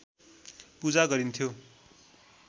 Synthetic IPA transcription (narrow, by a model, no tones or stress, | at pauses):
pud͡zaɡʌɾint̪ʰjo